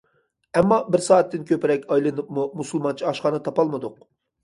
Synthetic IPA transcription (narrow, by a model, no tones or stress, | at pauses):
ɛmːɑbɪɾsɑːɛt̪ːɪnkʲʰøpɪɾɛkʲɑjlˠɨnɨpmumusulˠmɑnt͡ʃʰiɑʃχɑːnɨt̪ʰɑpɑlˠmɨd̪ʊq